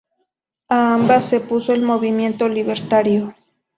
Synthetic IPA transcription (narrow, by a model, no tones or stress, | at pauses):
aːmbasːepusoelmoβimje̞nt̪oliβeɾt̪aɾjo